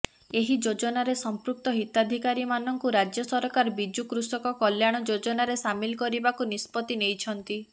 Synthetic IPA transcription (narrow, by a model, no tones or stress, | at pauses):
eɦid͡ʒod͡ʒɔnaɾesɔmpɾuk̚t̪ɔɦit̪ad̪ʱikaɾimanɔŋkuɾad͡ʒjɔsɔɾɔkaɾbid͡ʒukɾusɔkɔkɔljaɽ̃ɔd͡ʒod͡ʒɔnaɾesamilkɔɾibakunispɔt̪inejt͡ʃʰɔnt̪i